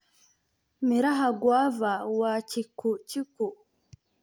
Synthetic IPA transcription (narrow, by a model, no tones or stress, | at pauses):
miɾaɦaɡwaːvawacikuciku